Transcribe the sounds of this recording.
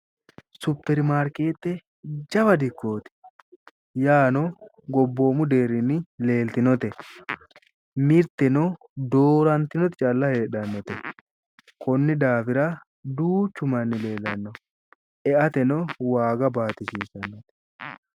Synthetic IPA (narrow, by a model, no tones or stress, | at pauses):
sʊpːɛɾmaːɾke̞ːt̪ːɛ | d͡ʒɐbɐd̪ɪkːo̞ːt̪ɪ̥ | jaːnɔ | ɡɔbːo̞ːmʊd̪e̞ːɾɪnːɪle̞ːlt̪ɪnɔt̪ɛ | mɪɾt̪ːɛnɔ | d̪o̞ːɾɐnt̪ɪnɔt̪ɪt͡ʃʼɐlːɐhe̞ːᶑɐnːɔt̪ɛ | kɔnːɪd̪aːfɪɾɐ | d̪uːt͡ʃːʊmɐnːɪle̞ːlːɐnːɔ | ɛʔɐt̪ɛnɔwaːɡɐbaːt̪ɪʃiːsɐnːɔt̪ɛ̥